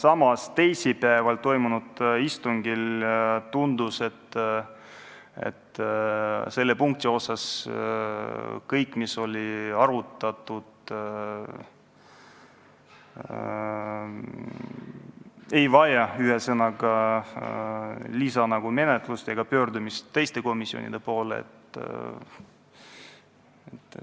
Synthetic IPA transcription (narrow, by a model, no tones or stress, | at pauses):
sɑmɑst̪ejsipæevɑlt̪o̞jmunud̪̥ist̪uŋɡilt̪und̪use̞t̪ː | ḛt̪ː | se̞lːepuŋk̚t̪io̞sɑs | kɤjkːˑmiso̞lʲiɑɾut̪ːˑɑt̪ˑud̪̥ | e̞jvɑjɑyhesɤnɑɡ̥ɑ | lisɑnɑɡ̥ume̞net̪ˑlust̪eɡ̥ɑpø̞ːrd̪umist̪t̪ːe̞jst̪e̞ko̞misːio̰nḭd̪̥e̞po̞ːlḛḛt̪ | et̪ː